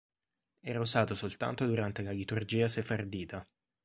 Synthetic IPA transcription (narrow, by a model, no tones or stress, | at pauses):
ɛːɾauzaːt̪osolt̪a̰nt̪od̪uɾant̪elakit̪urd͡ʒiːasefard̪iːt̪a